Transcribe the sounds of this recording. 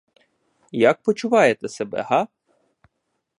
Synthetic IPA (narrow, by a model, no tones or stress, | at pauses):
jak̚pɔt͡ʃʊʋɑjet̪ɛsebɛ̰ɦɑ